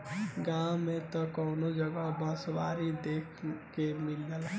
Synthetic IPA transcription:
ɡãwmet̪ɔkɔʊnod͡ʒəɡabãsʋaɾid̪ekʰkemilːəl

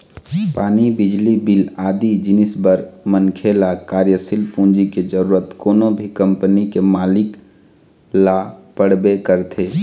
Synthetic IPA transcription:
paːnibɪd͡ʒlibɪlaːd̪id͡ʒɪnɪsbəɾmənkʰelakaːɾjəsɪlpũːnd͡ʒiked͡ʒəɾuːɾət̪koːnõbʱikə̃mpənikemaːlɪk | lapəɽbekəɾt̪ʰeː

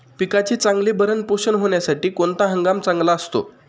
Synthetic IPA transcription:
pikat͡ɕet͡saŋɡlebəɾənpoɕənɦoɳjasaʈiːkont̪aɦəŋɡamt͡saŋɡlaəst̪o̰

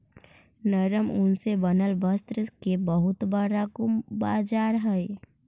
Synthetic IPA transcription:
nəɾəmʊnsebənəlʋəst̪ɾəkebəɦʊt̪bəɽaɡʊmbaːd͡ʒaːɾɦəj

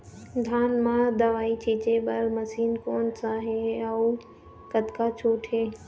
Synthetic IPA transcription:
d̪ʱaːnmãːd̪əʋaːit͡ʃʰiːt͡ʃeːɓəlməsiːnkoːnsaːɦeəu | kət̪kaːt͡ʃʰuːʈʰɦeː

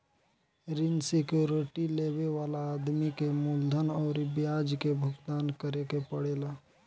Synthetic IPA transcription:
ɾinsikjoɾɪʈileweʋaːlaːd̪mikemuld̪ʱənɔːɾibjad͡ʒkebʱʊɡt̪aːnkəɾekepəɽeːla

